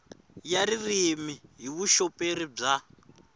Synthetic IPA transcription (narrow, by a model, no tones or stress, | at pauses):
jaɾirimiɦiβuʃɔpeɾib͡ʐa